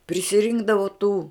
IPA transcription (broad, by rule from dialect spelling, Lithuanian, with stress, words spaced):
pʲrʲɪsʲɪˈrʲɪŋɡdɐʋʊ tuː